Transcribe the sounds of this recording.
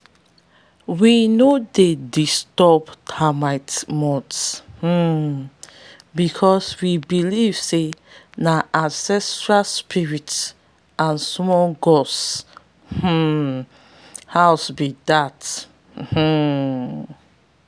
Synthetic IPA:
winodedistɔptʰamaɪtmɔtsh̩ | bikʰɔswibiliv̥senaʔãnsɛstɹalspʰiɹit | ãnsmɔlɡɔs | h̩ | hawsbidat̩ | h̩

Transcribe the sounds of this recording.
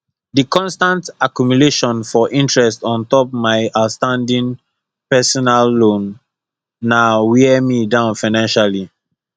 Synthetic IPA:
dikɔ̃nstãntakjumuleʃɔ̃nfɔʔĩntɹɛstɔ̃ntɔp̚maɪaʊtstãndĩŋ | pɛsɔnalːõnː | awɛmidãʊ̃nfaɪnãnʃali

